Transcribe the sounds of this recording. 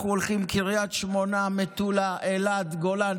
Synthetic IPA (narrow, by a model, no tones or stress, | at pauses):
uolχimkiʁjat̪ʃmonamet̪ulaʔelad̪ɡolan